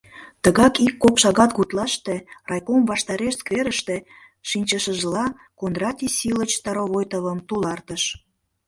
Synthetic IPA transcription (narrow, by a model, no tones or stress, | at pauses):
t̪əɣɑkikːopʃɑɣɑt̪ɣut̪lɑʃt̪erɑjkomβɑʃt̪ɑɾeʃskveɾəʃt̪e̽ | ʃinʲt͡ɕəʃəʒlɑ | konrɑt̪ʲisilət͡ɕt̪ɑɾoβojt̪əβəmt̪ulɑrt̪əʃ